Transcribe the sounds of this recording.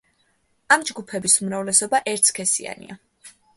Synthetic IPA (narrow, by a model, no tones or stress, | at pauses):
amd͡ʒɡupʰɛbisumɾavlɛsɔbaʔɛɾt̪skʰɛsia̰nḭa